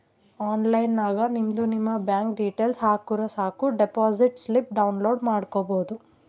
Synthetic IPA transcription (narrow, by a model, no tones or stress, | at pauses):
aːnlɐjnːaːɡɐnimd̪unimːɐbjaːŋkɖiːʈeːlsɦaːkuɾɐsaːkuɖepaːsiʈslip̚ɖɐwnloːɖmaːɽkobo̞ːd̪u